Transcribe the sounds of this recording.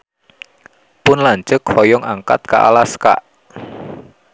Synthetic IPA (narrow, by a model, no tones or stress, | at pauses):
pʊnlaɲd͡ʒʊkfɔjɔŋaŋka̰t̪̚ka̰ʔa̰laska̰ʔ